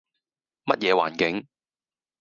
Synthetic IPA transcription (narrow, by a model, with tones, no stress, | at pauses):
mɐ˦˥t̚jɛː˨˧wa̰ː˨˩nkɪ˨˦ŋ